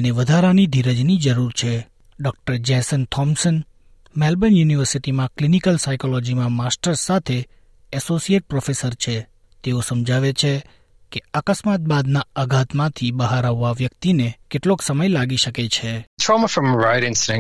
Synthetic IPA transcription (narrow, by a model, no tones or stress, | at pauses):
eneʋəd̪ʱaɾanid̪ʱiɾəd͡ʒnid͡ʒəɾuɾt͡ʃʰe | ɖɔk̚ʈəɾd͡ʒɛ̃sənt̪ʰɔmsən | mɛlbənjuniʋəɾsiʈimãklinikəlsajkolɔd͡ʒimãmasʈəɾsat̪ʰe | ɛsosieʈ̚pɾɔfesəɾt͡ʃʰe | t̪eosəmd͡ʒʱaʋet͡ʃʰe | keakəsmat̪̚bad̪naəɡʱat̪mãt̪ʰibəɦaɾaʋːaʋjəkt̪inekeʈloksəməjlaɡiʃəket͡ʃʰet̪ʰɹɔməfɹə̃mɹaɪɾɪ̃nsɪ̃ŋ